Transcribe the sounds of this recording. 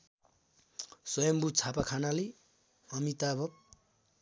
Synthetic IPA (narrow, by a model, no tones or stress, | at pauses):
sʌjʌmbut͡sʰapakʰanali | ʌmit̪abʱʌp̚